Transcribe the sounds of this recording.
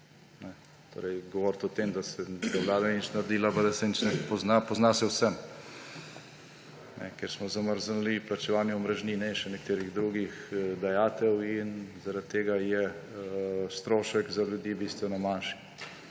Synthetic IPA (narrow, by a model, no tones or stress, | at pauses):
nɛ | t̪o̰ːɾɛjɡɔʋɔːɾt̪ɔt̪emd̪asɛzɛwlaːd̪ait͡ʃnaɾd̪ilapad̪ɐsɛnit͡ʃnɛpɔznapɔznasɛwsɛm | nʔɛ̰keɾsmɔzaməɾzənliplat͡ʃɛʋaːnjɛmɾɛʒninɛʃɛnɛkt̪eːɾiɣd̪ɾuɡixd̪ajaːt̪ɛwinzaɾat̪t̪ːeːɡajɛ | st̪ɾoːʃəkzaljud̪jibiːst̪ʋɛnɔmanʃi̥